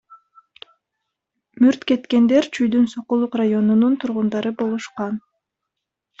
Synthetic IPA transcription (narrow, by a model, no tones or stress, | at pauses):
myɾt̪ke̞t̪ke̞nd̪e̞ɾt͡ʃʰyjd̪ynsoqulˠuqrajo̞nununt̪ʰuɾʁund̪ɑɾɯbo̞lˠuʃqɑn